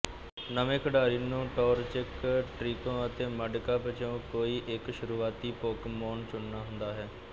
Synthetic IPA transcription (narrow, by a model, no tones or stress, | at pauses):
nəʋẽːkʰəɖaːɾiːnũːʈɔːɾt͡ʃɪkʈɾiːkõːət̪ẽːməɖkaːpət͡ʃõːkoːiːʔɪkʃʊɾuːaːt̪iːpoːkmoːnt͡ʃʊɳːaːɦʊnd̪aːɦɛː